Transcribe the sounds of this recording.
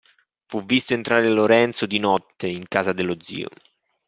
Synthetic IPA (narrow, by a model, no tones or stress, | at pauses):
fuvːist̪oent̪ɾaːɾeloɾɛnt̪sod̪inɔt̪ːeiŋkaːzad̪elod̪zḭːo̰